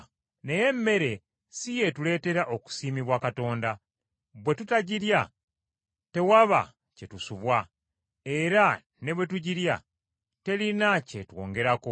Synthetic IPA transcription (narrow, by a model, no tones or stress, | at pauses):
ne̞je̞mːe̞ɾe̞ | sije̞tule̞ːte̞ɾaʔoku̥siːmiβwakato̞ːnda | βwe̞tutaɟiɾja | te̞waβa̰ | ce̞tusuβwa | e̞ɾa | ne̞βwe̞tuɟiɾja | te̞linacetwo̞̰ːŋɡe̞ɾako